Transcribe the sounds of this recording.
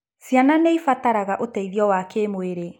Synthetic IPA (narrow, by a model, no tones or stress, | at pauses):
sjananeifataɾaɣaʔotɛiðiɔwakemoeɾe